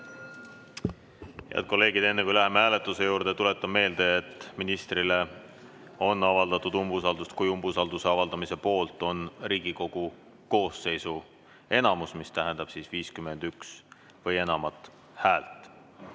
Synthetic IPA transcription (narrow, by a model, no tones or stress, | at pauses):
hḛɑ̰d̪̚ko̞lːe̞ːɡ̥id̪e̞nːe̞kujlæɦemeæːle̞t̪ːˑuse̞juːɾd̪̥e̞t̪ule̞t̪ːˑɑme̞ːld̪̥e̞et̪ːˑminist̪rile̞ | o̞nːɑvɑld̪̥ɑt̪ːˑud̪̥umbus̬ɑld̪ust̪kujumbusɑld̪use̞ɑvɑld̪̥ɑmise̞po̞ːlt̪ːˑo̞nriːɡ̥iko̞ɡ̥u | ko̞ːsːe̞jsu | e̞nɑmusmist̪æɦe̞nd̪̥ɑb̥siːsviːskyme̞nd̪̥yks | vɤje̞nɑmɑt̪ˑ | hæːlt̪ˑ